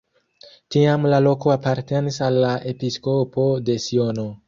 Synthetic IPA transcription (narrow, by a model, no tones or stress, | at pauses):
tiamlalo̞ko̞apaɾte̞nisalːaʔe̞pisko̞po̞de̞siono̞